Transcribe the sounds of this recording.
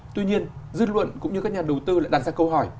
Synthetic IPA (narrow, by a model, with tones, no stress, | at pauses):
t̪wi˧ɲi˧ənzɨ˦˥t̚lwə̰˧˨nkʊ̰˧˥ŋ͡mɲɨ˧ka˦˥k̚ɲaː˨˩ɗə˨˩wt̪ɨ˧laː˧˨jɗa˨˩t̚zaː˧kə˧wɦɔ˧˩j